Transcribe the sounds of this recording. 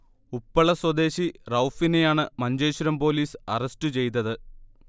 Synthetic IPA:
upːɐɭɐswɐd̪e̞ːɕirɐwfine̞jaːɳɨmɐɲd͡ʑe̞ːɕuɾɐmpo̞ːliːsɐrɐstɨt͡ɕe̞jt̪ːɐðɨ

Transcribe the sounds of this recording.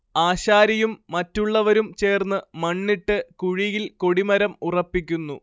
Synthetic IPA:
aːɕaːɾɐjumːɐtːuɭːɐʋɐɾumt͡ɕe̞ːrnːɨmɐɳːiʈːɨkuɻijilko̞ɽimɐɾɐmurɐpːikʲːunːu

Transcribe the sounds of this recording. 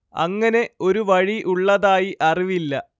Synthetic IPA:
ɐ̰ŋːɐne̞o̞ɾuʋɐɻiʔuɭːɐðaːjiʔɐriʋilːɐ

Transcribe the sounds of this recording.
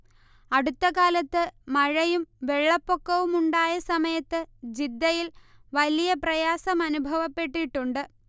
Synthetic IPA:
ɐɽut̪ːɐkaːlɐt̪ːɨmɐɻɐjumʋe̞ɭːɐpːo̞kːɐʋumuɳɖaːjɐsɐmɐjɐt̪ːɨd͡ʑid̪ːɐjilʋɐlijɐprɐjaːsɐmɐnubʱɐʋɐpːe̞ʈːiʈːuɳɖɨ

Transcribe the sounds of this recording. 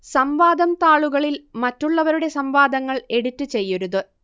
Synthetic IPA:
sɐmʋaːd̪ʱɐmt̪aːɭuɣɐɭilmɐtːuɭːɐʋɐɾuɽe̞sɐmʋaːd̪ʱɐŋːɐɭe̞ɽutːɨt͡ɕe̞jːuɾuðɨ

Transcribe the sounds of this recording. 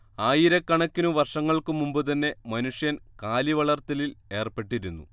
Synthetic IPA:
aːjiɾɐkːɐɳɐkʲːinuʋɐrʂɐŋːɐɭkɨmumbɨt̪ɐnːe̞mɐnuʂjɐnkaːliʋɐɭɐrt̪ɐlile̞ːrpe̞ʈːiɾunːṵ

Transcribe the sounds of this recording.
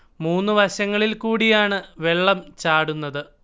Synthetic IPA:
muːnːɨʋɐɕɐŋːɐɭilkuːɽijaːɳɨʋe̞ɭːɐmt͡ɕaːɽunːɐðɨ

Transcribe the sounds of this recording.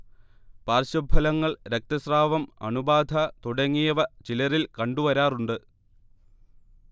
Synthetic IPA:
paːrɕɐbʱɐlɐŋːɐɭɾek̚t̪ɐsraːʋɐmɐ̰ɳubaːd̪ʱɐt̪uɽɐŋːijɐʋɐt͡ɕilɐrilkɐɳɖuʋɐɾaːruɳɖɨ

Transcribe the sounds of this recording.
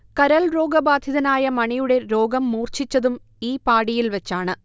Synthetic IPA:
kɐɾɐɭɾo̞ːɡɐbaːd̪ʱjɐðɐnaːjɐmɐɳijuɽe̞ɾo̞ːɡɐmːuːrt͡ɕit͡ɕːɐðum | iːpaːɽijilʋet͡ɕːaːɳɨ

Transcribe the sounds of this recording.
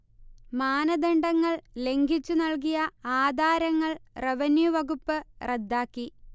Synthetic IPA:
maːnɐd̪eɳɖɐŋːɐɭle̞ŋɡʱit͡ɕːunɐɭk̬ijɐaːd̪ʱaːɾɐŋːɐɭreʋɐnjuʋɐɣupːɨred̪ːaːkːi

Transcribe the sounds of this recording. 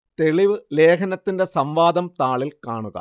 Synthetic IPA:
t̪eɭiʋɨle̞ːkʰɐnɐt̪ːinde̞sɐmʋaːd̪ɐmt̪aːɭilkaːɳuɣɐ̰

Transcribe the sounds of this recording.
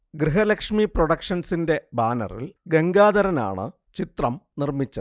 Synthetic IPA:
ɡɾiɦɐlɐkʂmiproɽɐkʂɐnsinde̞baːnɐ̰rḭlɡeŋɡaːd̪ɐɾɐna̰ːɳɨ̰ | t͡ɕit̪rɐmnirmit͡ɕːɐðɨ

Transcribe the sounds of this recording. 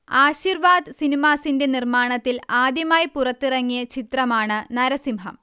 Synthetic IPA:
aːɕiːrʋaːd̪sinimaːsindenirmaːɳɐt̪ːilaːd̪jɐmaːjipurɐt̪ːirɐŋːijɐt͡ɕit̪rɐmaːɳɨnɐɾɐsimɦɐ̰m

